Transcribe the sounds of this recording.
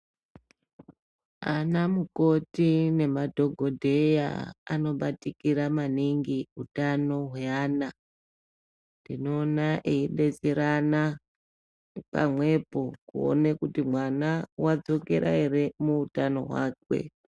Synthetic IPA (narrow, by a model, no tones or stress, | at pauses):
anamuko̞tine̞madʱo̞ɡʱo̞dʱe̞ja̰ano̞ɓatikiɾamaniŋɡiutano̞ɦaːna | ndino̞ːnaʔeiɗe̞t͡siɾana | pa̰mwe̞po̞kṵo̰nekutimwanawad͡zo̞ke̞ɾʔa̰ɦe̞ɾe̞muutano̞̰ɦwaːkwe̞̰